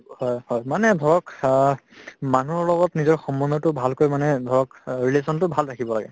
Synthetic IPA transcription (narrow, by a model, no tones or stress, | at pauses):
hɔjhɔjmanɛdʱɔɹɔk | manuɔɹlɔɡɔtnizɔɹxɔmɔnɔtʊbʱalkojmanɛdʱɔɹɔkɹilesɔntʊbʱalɹakʰibɔlaɡɛ̰